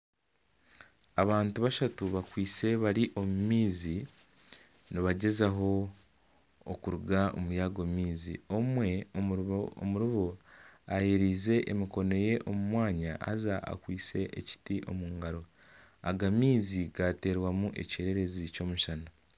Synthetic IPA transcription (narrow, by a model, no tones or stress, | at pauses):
aβaːntuβaʃatuβakwiːt͡se̞βaɾiʔo̞mumiːzi | niβaɟe̞zaɦo̞ | kuɾuɡao̰mujaɡomiːziomwe̞ | muɾuβoajeɾiːze̞ʔemiko̞no̞je̞ʔomumwaːɲaʔa̰zaa̰kwiːt͡se̞ʔḛci̥tiʔo̞̰muːŋɡaɾo̞ | a̰ɡamiːziɡate̞ːɾwamuʔe̞̰ce̞ːɾe̞ɾe̞zico̞ːmuʃana